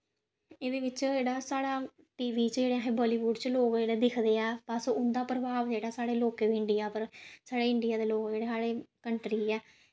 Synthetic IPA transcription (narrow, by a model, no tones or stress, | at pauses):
eːd̪eːʋɪt͡ʃd͡ʒeːɽaːsaːɽaː | ʈiːʋiːt͡ʃd͡ʒeːɽeːaɦẽːbɔːliːʋʊɖt͡ʃloːkd͡ʒeːɽeːd̪ɪkʰd̪eːɛːpasʊnd̪aːpɾəbaːʋd͡ʒeːɽaːsaːɽeːloːkeːʋiːɪɳɖɪjaːpəɾsaːɽeːɪɳɖɪjaːd̪eːloːkd͡ʒeːɽeːsaːɽeːkəɳʈɾiːɛː